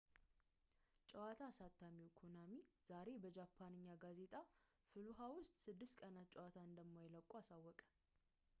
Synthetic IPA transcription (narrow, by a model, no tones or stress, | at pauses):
t͡ʃʼɛwat̪ʰasat̪ʰːamiwkʰonamiz̥aɾe̞bəd͡ʒapʰːanɨɲːaɡaze̞t̪ʼa | fɨluɦawʊst̪ʼsɨd̪ːɨst̪kʼənat̪̚t͡ʃʼɛwat̪ʰaɨnd̪əmmojɛləkʼːuasawːɔkʼə̥